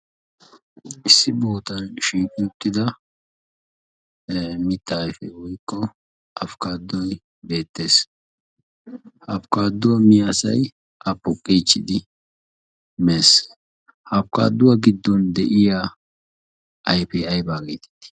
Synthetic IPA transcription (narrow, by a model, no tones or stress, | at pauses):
ɪsːɪboːt̪ɐnʃiːkʼɪʊt̪ːɪd̪ɐ | mɪt̪ːajfɛwɔjkːɔ | ʔɐfkaːd̪ːɔj | be̞ːt̪ːe̞ːs | hɐfkaːd̪ːʊwɐmɪjasɐ̰j | ʔɐpːɔkʼːit͡ʃːɪd̪ɪ | meːs | hɐfka̰ːd̪ːʊwɐɡɪd̪ːɔnd̪ɛʔɪja | ʔɐjpɛɐjbaːɡeːt̪ɛ̥t̪ːɪ̥